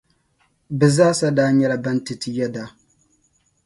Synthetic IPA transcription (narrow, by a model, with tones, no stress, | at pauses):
bɨ˨zaː˦sa˦daː˦ɲɛ˦la˨ba˦ntɨ˨tɨ˨jɛ˦da˦